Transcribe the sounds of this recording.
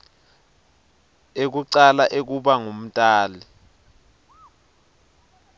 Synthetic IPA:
ek̬uǀalaʔek̬uɓaŋom̩tʼaːli

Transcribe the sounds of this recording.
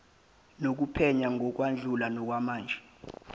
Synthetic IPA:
nok̬upʰɛɲaŋʱɔk̬wand͡ɮʱulanɔk̬wamaːnd͡ʒʱɛ

